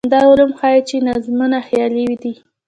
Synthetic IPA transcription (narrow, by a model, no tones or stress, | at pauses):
nd̪ɑʊlumxɑjit͡ʃenazmunaxjɑlewid̪i